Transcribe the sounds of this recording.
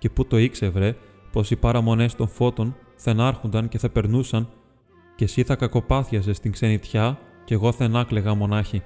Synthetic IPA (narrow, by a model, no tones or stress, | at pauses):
ce̞put̪o̞ikse̞vɾe̞ | po̞sipɐɾɐmo̞ne̞st̪o̞ɱfo̞t̪o̞n | θɐenɐɾxond̪ɐnce̞θɐpe̞ɾnusɐn | ce̞siθɐkɐko̞pɐθiɐs̬e̞st̪iŋkse̞nit̪çɐce̞ɣo̞θenɐkle̞ɣɐmo̞nɐçi